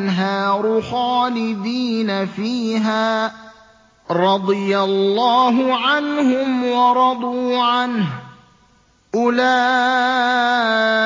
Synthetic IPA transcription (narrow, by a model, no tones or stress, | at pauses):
nɦaːɾʊxaːlɪd̪iːnafiːɦaː | ɾˤɑd̪ˤɨjalːɑːɦʊʕanhʊmwɑɾˤɑd̪ˤuːʕanh | ʔʊlaː